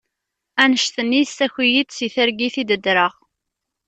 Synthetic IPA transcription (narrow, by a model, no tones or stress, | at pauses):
ænəʃt̪ənːist̪æçijid̪siθəɾɡiθid̪əd̪ɾəʁ